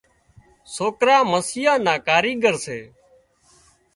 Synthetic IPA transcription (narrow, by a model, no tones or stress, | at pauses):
soːkɾaːməsɪjaːnaːkaːɾiːɡəɾseː